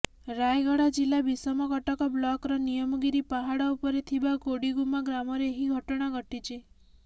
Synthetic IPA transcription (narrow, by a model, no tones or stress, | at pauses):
ɾajɡɔɽad͡ʒilabisɔmɔkɔʈɔkɔblɔkɾɔnijɔmɔɡiɾipaɦaɽɔupɔɾet̪ʰibaɡoɽiɡumaɡɾamɔɾeːɦiɡʱɔʈɔɽ̃aɡʱɔʈit͡ʃe